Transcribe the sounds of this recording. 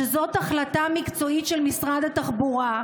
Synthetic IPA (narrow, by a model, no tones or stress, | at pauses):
ezo̞t̪aχlatamikt͡so̞itʃelmisʁad̪at̪aχbuʁa